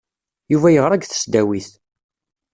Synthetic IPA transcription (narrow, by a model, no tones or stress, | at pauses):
juvæjəʁɾˤaɡθə̥sd̪æwiθ